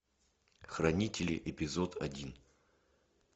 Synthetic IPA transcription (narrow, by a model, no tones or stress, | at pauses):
xrɐnʲitʲɪlʲɪ̰ʔɪpʲɪzot̪ʰɐ̰dʲin